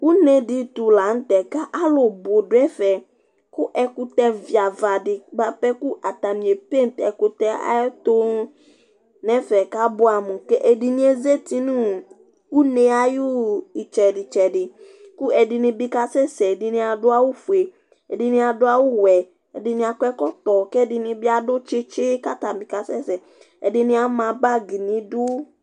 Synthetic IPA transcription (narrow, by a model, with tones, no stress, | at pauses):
wu˦nẽ˨dɪ˦t̪u˨la˨n̩˦t̪ɛ˨ka˦ʔa˦lʊ˨bʊ˨dʊ˦ɛ˦fɛ˨ | kʊ˦ʔɛ˨kʊ˦t̪ɛ˦vi˨a˨va˨dɪ˨ɡ͡ba˦pɛ˦ku˦ʔa˨t̪a˨mĩ˨e˨pe˦n˨t̪ɛ̰˨kʊ˨t̪ɛ˦a̰˦t̪o˦ | nɛ̃˦fɛ˨ka˦bʊ˦a˨mʊ̃˨kɛ˦ʔe˨di˨nĩ˦e˦ze˦t̪i˦nũ˦˨ | u˦ne˨a˦jʊ˦i˨t͡ʃɛ˨dɪ˨t͡ʃɛ˨dɪ˨ | ku˦ɛ˨dɪ˨nɪ̃˨bɪ˦ka˦sɛ˦sɛ˨dɪ˨nɪ̃˦a˨dʊ˦a˦wʊ˦fu˨e˨ | ɛ˨dɪ˨nɪ̃˦a˨dʊ˦a˦wʊ˦wɛ˨ | ɛ˨dɪ˨nɪ̃˨˦a˨kʷɛ˦kɔ˦tɔ˨kɛ˦˨dɪ˨nɪ̃˨bɪ˦a˨dʊ˦t͡ʃɪ˦t͡ʃɪ˦ka˦ta˨bɪ˨ka˨sɛ˦sɛ˨ | ɛ̰˨dɪ˨nɪ̃˦a˨˦mã˨ba˦ɡi˨nɪ̃˨dʊ˦